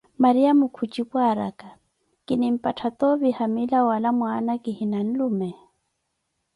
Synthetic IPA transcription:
maɾiamʊkʰut͡ʃʼipwaɾa̰ka | kʼɪnɪm̩pʼatʰat̪ɔvihamilawalamwanakʼɪhinan̩lumɛ

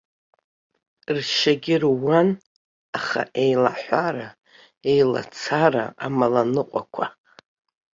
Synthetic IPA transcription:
rʃaɡʲɪrwan | aχa̰ʔejlaħʷaɾa | ejla̰t͡sʰara̰ʔamalanɨqʷʼakʷʰa

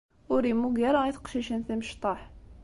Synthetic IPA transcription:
ʊɾimuɡæɾɑiθqʃiʃənθiməʃt̪ˤɑħ

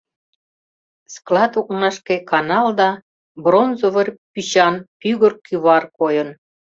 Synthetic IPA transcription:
sklɑt̪uk̚nɑʃkekɑnɑld̪ɑ | bronzoβərpyɕɑnpyɣərkyβɑrkojən

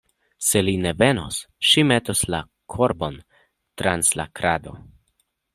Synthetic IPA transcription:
se̞line̞ve̞no̰s | ʃimet̪osla̰ | kʰo̞ɾbo̞n | t̪ɾansla̰kɾad̪o̞̰

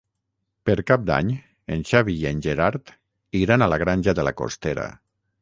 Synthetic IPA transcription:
pəɾkap̚d̪a̰ɲ | enʲʃaβienʲʒeɾaɾt̪ | iɾanalaɣɾanʲʒaðəla̰ko̰st̪eɾa̰

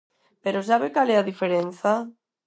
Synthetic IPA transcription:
peɾosaβekalɛaðifeɾen̟θa

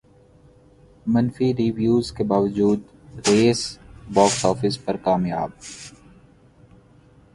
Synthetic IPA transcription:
mɐnfiɾiːʋjuːzkebaːʋəd͡ʒuːd̪ | ɾeːsbɔːksɔːfɪspɐɾkaːmja̰ːb̚

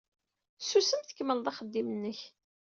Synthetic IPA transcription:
susəmθə̥kːməlðˤɑχəd̪ːimənːəç

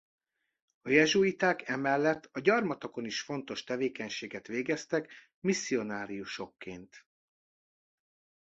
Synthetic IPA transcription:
ɒjɛʒuit̪aːkɛmɛlːɛt̪ːɒɟɒrmɒt̪ɒko̞niʃfo̞nt̪o̞ʃt̪ɛveːkɛɲʃeːɡɛt̪ʋeːɡɛst̪ɛk | misːio̞naːɾijuʃo̞kːeːnt̪

